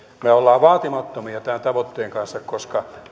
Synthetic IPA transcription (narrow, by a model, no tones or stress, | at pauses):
meolːɑːʋɑːt̪imɑt̪ːomiɑt̪ænt̪ɑʋot̪ːeːŋkɑnsːɑkkoskɑ